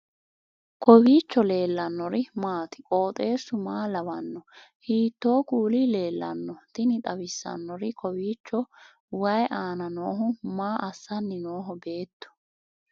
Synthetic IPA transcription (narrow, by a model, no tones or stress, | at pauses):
kʰɔbiːt͡ʃːɔle̞ːlːɐnːɔɾɪmaːt̪ɪ̥kʼo̞ːt̪ʼe̞ːsːʊmaːlɐwɐnːɔ | hiːt̪ːo̞ːkʼuːlile̞ːlːɐ̰nːɔt̪ɪnɪt̪ʼɐbɪsːɐ̰nːɔɾɪkʰɔwiːt͡ʃːɔ | wɐjʔaːnɐno̞ːɦʊmaːʔɐsːɐnːɪnoːɦɔbe̞ːt̪ːɔ̥